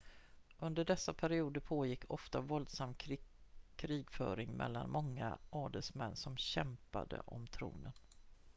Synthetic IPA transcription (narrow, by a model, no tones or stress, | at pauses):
ʔɵnd̪əɖɛsːapʰæɾɪuːd̪əɾpʰoːjɪkːʰɔft̪avɔld̪samː | kʰɾiːɡfœːɾɪŋmʔɛ̰lːanmɔŋːa̰ʔɑːɖ̪ɛlsmɛnːsɔmɕɛmpa̰d̪ə̰ʔɔmt̪ʰɾṵːnən